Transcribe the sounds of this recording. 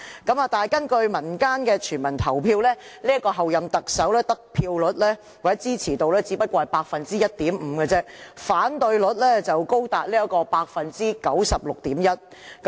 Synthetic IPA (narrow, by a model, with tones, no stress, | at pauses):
kɐ˨˥maː˨˧t̪aː˨jkɐ˥nkɵ˧ɥmɐ˨˩nkaː˥nkɛː˧t͡ʃʰyː˨˩nmɐ˨˩nt̪ʰɐ˨˩wpʰiː˧wlɛː˥liː˥ɐ˥kɔː˧ɦɐ˨wjɐ˨mt̪ɐ˨k̚sɐ˨˥wlɛː˥t̪ɐ˥k̚pʰiː˧wlɵ˨˥t̚lɛː˥ | waː˨˩ɛ˦˥t͡siː˥t͡sʰiː˨˩t̪o˨wlɛː˥t͡siː˨˧˥pɐ˥t̚kʷɔː˧ɐ˨˩jpaː˧k̚fɐ˨nt͡siː˥jɐ˥t̚t̪iː˨˥m̩ː˨˧˦kə˧t͡sɛː˥faː˨˥nt̪ɵ˧ɥlɵ˨˥t̚lɛː˥t͡sɐ˨wko˥wt̪aː˨˩t̚liː˥ɐ˥kɔː˧paː˧k̚fɐ˨nt͡siː˥kɐ˨˥wsɐ˨p̚lʊ˨k̚t̪iː˨˥mjɐ˥t̚ | k